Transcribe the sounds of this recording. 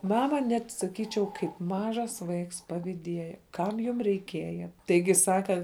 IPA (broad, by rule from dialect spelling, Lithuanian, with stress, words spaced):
ˈmɑːmɐ ˈnʲɛt sɐˈkʲiːt͡ʃʲɛʊ kɐɪp ˈmɑːʒɐs ˈʋɐɪks pɐʋʲɪˈdʲiɛjɛ ˈkɐm jʊm rʲɛɪˈkʲiɛjɛ ˈtɐɪɡʲɪ ˈsɑːkɐ